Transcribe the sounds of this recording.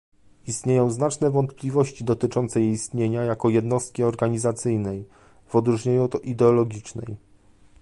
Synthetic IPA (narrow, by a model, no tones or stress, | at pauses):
ist̪ɲejɔ̃w̃znat͡ʂnɛvɔnt̪plʲivɔɕt͡ɕid̪ɔt̪ɘt͡ʂɔnt̪sɛjist̪ɲeɲajakɔjɛd̪nɔst̪̚kʲiɔɾɡaɲizat̪sɘjnɛj | vɔd̪ɾuʐɲeɲuʔid̪ɛɔlɔɡʲit͡ʂnɛ̰j